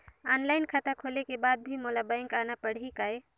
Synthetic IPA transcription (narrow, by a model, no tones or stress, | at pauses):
ɔːnlaːɪnkʰət̪akʰoːlekebaːd̪̚bʱimoːlabaɪ̃ŋkaːnapəɽ̤ikaːe